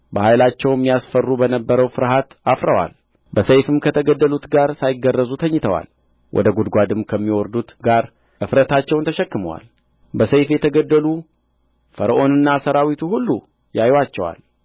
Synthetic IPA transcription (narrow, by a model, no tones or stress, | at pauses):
bəhajlat͡ʃːɛwmijasfərːubənəbːəɾəwfɨɾɦat̪afɾəwa̰l | bəsəjfɨmkʰət̪ʰəɡəd̪ːəlut̪ɡaɾsajɪɡərːəzut̪ʰəɲːɪt̪ʰəwa̰l | wʔɔ̰d̪əɡud̪ɡʷad̪ɨmkʰəmːiwɔɾd̪ut̪ɡaɾ | ʔɨfɾət̪ʰat͡ʃːɛwnt̪ʰəʃɛkːɨməwa̰l | bəsəjfjɛt̪ʰəɡəd̪ːəlu | fəɾəʔo̞nɨnːasəɾawit̪ʰuhulːu | jajwat͡ʃːɛwa̰l